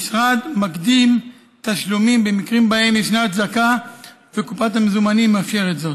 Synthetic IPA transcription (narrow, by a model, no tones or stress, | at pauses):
sʁad̪makd̪im | t̪aʃlumimbe̞mikʁimbahe̞miʃnat̪zaka | vekupathamezumanimːafʃeʁetzot